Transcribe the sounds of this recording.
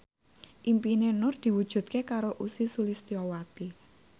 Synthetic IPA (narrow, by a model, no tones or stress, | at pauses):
ʔimpinenʊrd̪̥i̤wud̥ʒ̥ṳt̪̚kekaɾoʔusisulist̪iɔwat̪i